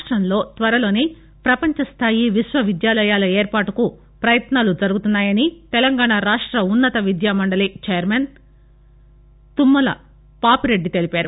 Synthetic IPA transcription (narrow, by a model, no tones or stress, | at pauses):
ʂʈɾɐmlo̞ːt̪ʋɐɾɐlo̞ːne | pɾɐpɐɲt͡ʃɐst̪ʰaːjiʋiʃʋɐʋid̪jaːlɐjaːlɐeːɾpaːʈuku | pɾɐjɐt̪naːlud͡ʒɐɾuɡut̪unːaːjɐnit̪ɛlɐŋɡaːɳaːɾaːʂʈɾɐunːɐt̪ɐʋid̪jaːmɐɳɖɐlit͡ʃejɐɾmeːn | t̪umːɐlɐ̰ | paːpiɾe̞ɖːit̪e̞lipaːɾu